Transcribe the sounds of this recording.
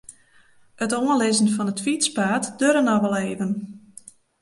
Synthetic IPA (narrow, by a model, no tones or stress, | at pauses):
ətoənlɪzən̩fɔnətfitspaːtd̥øɾənɔʋɛlˠeːvən